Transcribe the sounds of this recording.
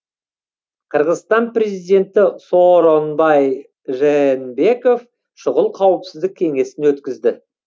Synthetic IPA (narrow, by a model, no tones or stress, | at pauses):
qʰəɾʁəzst̪ɑnpɾʲe̞zijd̪e̞nt̪ɪsoɾonbɑj | ʒenbe̞ko̞f | ʃʊʁəlˠqʰɑwəpsɪzd̪ɪkʲʰe̞ŋe̞sɪnwɵt̪kʲɪzd̪ɪ